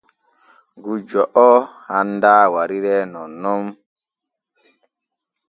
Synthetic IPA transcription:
ɡud͡ʒɔʔɔhandaːwaɾiɾɛnɔnːɔm

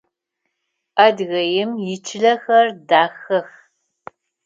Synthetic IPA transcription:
ʔɐdɣɐjɪmjɪt͡ʃʰɪɮɐxɐrdaːxɐx

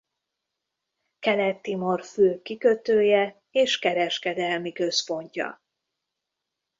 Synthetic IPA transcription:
kɛlɛt̪ːimo̞rføːkikø̞t̪øːjɛ | eːʃkɛɾɛʃkɛd̪ɛlmikø̞spo̞ɲcɒ̰

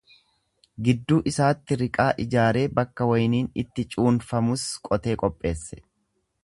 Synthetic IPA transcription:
ɡɪd̪ːuːʔɪsaːt̪ːɪɾɪkʼaːʔɪd͡ʒaːɾe̞ːbɐkːɐwɐjniːnɪt̪ːɪt͡ʃʼuːnfɐmʊskʼɔt̪e̞ːkʼɔpʼːe̞ːsːɛ̥

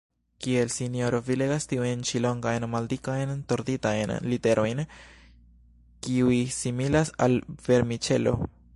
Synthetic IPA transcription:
kie̞lsinijo̞ɾo̞vile̞ɡastiujnt͡ʃilo̞ŋɡajnmaldikajnto̞ɾditajnlite̞ɾo̞jn | kiujsimilasalv̥e̞ɾmit͡ʃe̞̰lo̞̰

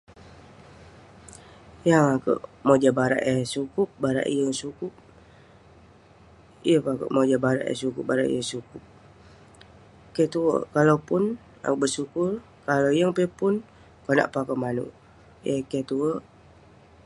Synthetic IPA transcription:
jaŋakə̰ʔmod͡ʒabaɾa̰ʔəsukup̚baɾa̰ʔḭjəŋsukʊp̚ | ijəpakə̰ʔmod͡ʒabaɾa̰ʔjə̰sukup̚baɾa̰ʔḭjəŋsukup̚ | kɛt̪uə̰kalawpʊn | a̰kuʔbəsukʊr | kaloijəŋpepʊn | kona̰ʔpaakəʔmanṵ | jəkɛt̪uəʔ

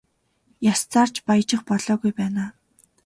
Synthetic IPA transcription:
jast͡saːr̥t͡ɕpajt͡ɕɪ̆χpɔɮɔːɣujpæːnaː

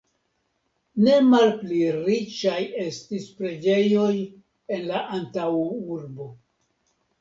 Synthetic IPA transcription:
ne̞malpliɾit͡ʃaje̞stispɾe̞d͡ʒe̞jo̞j | e̞nlaʔantawuɾbo̞

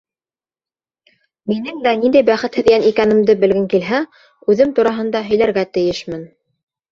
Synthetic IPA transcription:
minɘŋd̪ænind̪æjbæχɘt̪hɘ̆ðɡænikænɘ̆md̪ɘbɘ̆lɡɘŋkilɦæ | ʉðɘmt̪uɾɑɦɤ̆nd̪ɑɦɵ̆jlæɾɡæt̪ɘ̆jɘʃmɘn

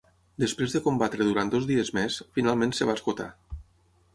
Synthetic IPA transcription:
d̪əspɾezðəkombat̪ɾəðuɾant̪d̪ozðiəzmesfinalˠmẽnsəβaskot̪a̰

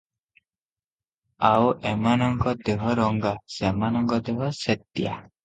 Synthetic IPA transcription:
awʔemanɔŋkɔd̪eɦɔɾɔŋɡasemanɔŋkɔd̪eɦɔset̪ːija̰

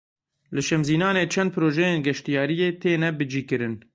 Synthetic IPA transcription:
lɨʃɛmziːnɑːneːt͡ʃʰɛnd̪̚pʰɨɾoːʒɛjeːnɡɛʃt̪ijɑːɾijeːt̪ʰeːnɛbɨd͡ʒiːkɨɾɨn

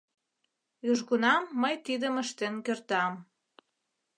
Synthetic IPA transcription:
yʒɣunɑmːəjt̪id̪əməʃt̪enkørt̪ɑm

